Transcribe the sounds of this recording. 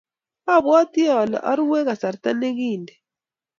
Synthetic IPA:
a˦˨βwa˦ti˦a˦˨la̰˨ʔa˦ɾu˦wɛ˦ɣa˨sa˨ɾta˦ne˦ɣi˦˨ndɛ˨

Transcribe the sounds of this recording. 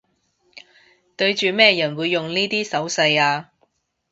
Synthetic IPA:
t̪ɵ˧ɥt͡ʃyː˨mɛː˥jɐ˨˩nwuː˨˧jːʊ˨ŋniː˥t̪iː˥sɐ˨˥wsɐ˧jaː˧

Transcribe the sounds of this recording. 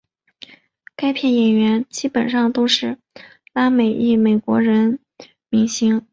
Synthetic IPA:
ka˥ɪpʰjɛ˥˩njɛ˨˩nɥɛ˧˥nt͡ɕi˥pə˨˩nʂɑ˥˧ŋt̪o˥ʊʂɻ̩˥˩ | la˥me˨˩ɪi˥˩me˨˩ɪkwɔ̰˧˥ɻə˧˥n | mi˧˥ŋɕi˧˥ŋ

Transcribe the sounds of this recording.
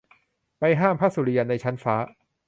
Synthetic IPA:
pa˧jɦaː˥˩mpʰa˦˥su˨˧ɾi˧a˧na˧jt͡ɕʰa˦˥nfaː˦˥

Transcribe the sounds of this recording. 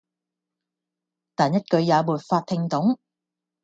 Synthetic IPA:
t̪aː˨njɐ˥t̚kɵ˨˧ɥjaː˨˧muː˨˩t̚faː˧t̪ʰɪ˧ŋt̪ʊ˨˥ŋ

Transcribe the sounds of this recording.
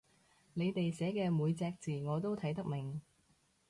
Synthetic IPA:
ne˨˧jt̪e˨jsɛː˨˥kɛː˧muː˨˧jt͡sɛː˧k̚t͡siː˨ŋɔː˨˧t̪o˥wt̪ʰɐ˨˥jt̪ɐ˥k̚mɪ˨˩ŋ

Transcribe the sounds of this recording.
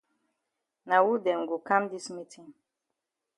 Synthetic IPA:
na˨wu˦dɛ̃˨ŋɡo˨kã˦mdi˦smi˦tʰĩ˨ŋ

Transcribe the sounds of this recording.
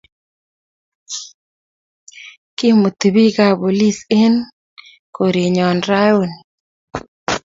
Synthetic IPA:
kɪ˦mo˨t̪u˨bi˦ka˨bo˨li˦se˦n | ko˨ɾe˨ɲɔ˨nɾa˦jo˦˨n

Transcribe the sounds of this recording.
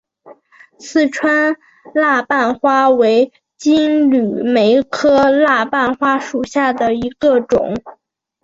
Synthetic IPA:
sɹ̩˥˩ʈ͡ʂʰwa˥n | la˥˧pa˥˩nxwa˥we˧˥ɪ | t͡ɕi˥nly˨˩me˧˥ɪkʰɤ˥la˥˩˧pa˥˩nxwa˥ʂu˨˩ɕja˥˩d̪ə˩i˧˥ɡ̥ə˧ʈ͡ʂʊ̰˨˩˦ŋ

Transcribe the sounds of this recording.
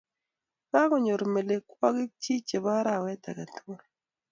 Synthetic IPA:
ka˦kɔ˨ɲo˨ɾme˨le˨kwɔ˦ɡɪ˦t͡ʃi˦t͡ʃe˨ba˦ɾa˨wɛ˦ta̰˨ka˨tu˦o˦ɾ

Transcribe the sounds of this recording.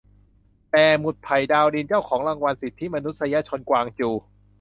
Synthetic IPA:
t̪ɛː˨˩mu˨˩t̪̚pʰa˨˩jdaː˧wdi˧nt͡ɕaː˥˩wkʰɔː˩˦ŋla˧ŋwa˧nsi˨˩t̪ʰi˦˥˨ma˧nu˦˥t̪̚sa˧ja˦˥t͡ɕʰo˧nkwaː˧ŋt͡ɕuː˧˩

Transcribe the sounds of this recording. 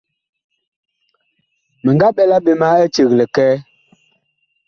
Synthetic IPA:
mə˨ŋɡa˦ɓɛ˦la˦ɓe˨ma˦e˦t͡ʃə˨ɣlə˨kɛː˦

